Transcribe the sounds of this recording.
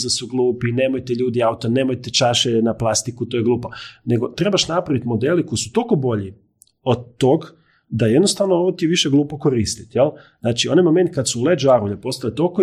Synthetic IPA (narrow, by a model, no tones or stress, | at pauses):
zasuɡlˠuːpineːmojt̪eʎuːd̪iaut̪oneːmojt̪et͡ʃaːʃenaplˠast̪ikut̪ojeɡlˠuːponeɡo̞t̪ɾe̞baʃnapɾaʋit̪mo̞d̪eliko̞isu̥t̪o̞kobo̞ʎi | od̪̚t̪ːoːɡ | d̪ajed̪nost̪aʋnooʋot̪iʋiʃeɡlˠuːpoko̞ɾiːst̪i̥t̪jelznaːt͡ʃio̞najmo̞me̞nt̪̚kad̪suuled͡ʒuaɾuʎepo̞st̪alet̪oko